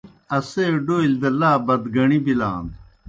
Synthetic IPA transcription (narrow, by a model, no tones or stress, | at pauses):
ɐseɖoːild̪ɐlaːbɐd̪ɡɐɳibila̰ːn